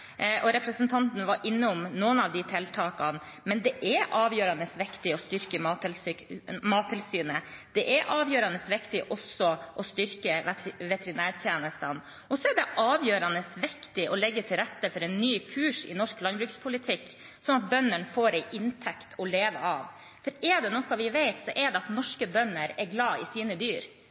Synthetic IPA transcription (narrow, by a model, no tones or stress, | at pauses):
ʔɔɾɛpɾəsənt̪ʰɑnt̪nʋɑɾʔɪnːəɔmnuːənɑʋd̪ɪt̪ʰɛlt̪ʰɑːkɑn | mɛnd̪ɛʔɛʔɑːʋjøːɾɑnəsʋɪkt̪ɪɔst̪ʏɾkəmɑlmɑːt̪ʰːɪlsyːnəd̪̥ɛʔɛɾʔɑːʋjøːɾɑnəsʋɪkt̪ɪʔɔsɔʔɔst̪ʏɾkəʋɛt̪əɾɪnæːɾt̪ʰjeːnəst̪ən | ɔsɔɛɖɛʔɑːʋjøːɾɑnəsʋɪkt̪ɪʔɔlɛɡːət̪ʰɪlɾɛt̪ːəfɔɾɛɪnːyːkʰʉːʂɪ̰nɔʂklɑnbɾʉːkspʰʊlɪt̪ʰɪkː | sɔnɑt̪̚bœnːəɳfoːɾɛɪʔɪnt̪ʰɛkt̪ʰɔleːʋə̰ɑːʋ | fɔɾɛɖ̪ɛnɔkːɑʋɪʋeɪt̪sɔʔɛɖ̪ɛɑt̪nɔʂkəbœnəɾɛɾɡlɑːɪsiːnəd̪yːɾ